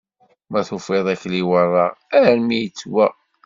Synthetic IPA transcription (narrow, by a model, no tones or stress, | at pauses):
mæθufeðˤæçliwərˤːɑʁæɾælmijət͡sːwæ